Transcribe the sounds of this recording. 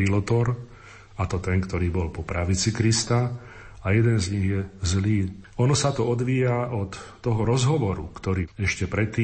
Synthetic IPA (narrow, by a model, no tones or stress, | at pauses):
ilɔt̪ɔɾ | at̪ɔt̪ɛŋkt̪ɔɾiːbɔlpɔpɾaʋit͡sikɾist̪a | ajɛd̪ɛnzɲiɣjɛzliː | ɔnɔsat̪ɔɔd̪ʋiːaʔɔt̪ːɔɦɔɾɔzɦɔʋɔɾṵkt̪ɔɾiːɛʃcɛpɾɛt̪ːiː